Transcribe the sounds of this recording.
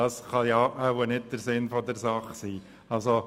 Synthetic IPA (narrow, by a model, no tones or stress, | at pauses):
ɑːsχɑjɑʔawənɪdd̥əɾsɪnfɔdəɾsɑχsiː | ɑlso